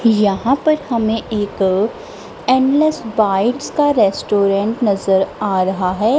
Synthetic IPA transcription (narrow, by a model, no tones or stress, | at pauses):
jɐɦãpɐɾhɐmẽʔeːk | ẽːnlɛsbaːɪʈskaɾɛːsʈoːɾɛ̃ɳʈnɐzəɾaːɾɐɦaɦɛː